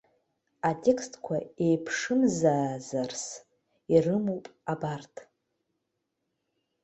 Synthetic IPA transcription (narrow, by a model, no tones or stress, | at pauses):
atʼe̞kʰstʰʼkʷʰaejpʰʂɨmzaːzars | irɨmopʼabartʰʼ